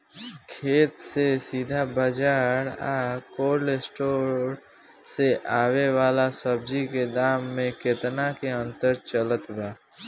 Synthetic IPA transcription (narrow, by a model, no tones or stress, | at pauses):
kʰeːt̪sesiːd̪ʱabəd͡ʒaːɾa̰ːkoːɾlesʈoːɾ | seʔaːweʋaːlasəb̚d͡ʒiked̪aːmːẽket̪nakeə̃nt̪əɾt͡ʃələt̪baː